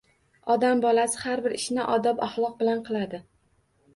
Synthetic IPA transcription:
ɒd̪ambɒlasɪhaɾbɪɾɪʃnɪʔɒd̪ɒpaχlˠɒq̚bɪlanqʰɨlˠad̪ɪ

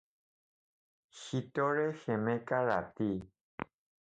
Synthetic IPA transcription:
ʃit̪ɔɾeʃemẽkaɾa̰t̪i

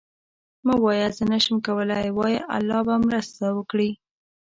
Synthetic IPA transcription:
mawɑjazənaʃəmkawəlajwɑjiʔa̰lːɑbamɾəst̪awəkɽi

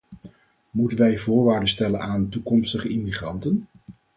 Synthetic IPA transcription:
mutənʋɛjvʊːɹʋaːɹdəstɛlənaːntukɔmstəχəɪmiχrɑntən

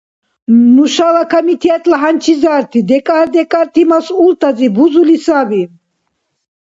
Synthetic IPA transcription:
nuʃalakʰamit̪ʰiat̪ʼlaɦant͡ʃʰizaɾt̪ʰid̪ɛkʼaɾd̪ɛkʼaɾt̪ʰimasult̪ʰʼazibuzulisabi

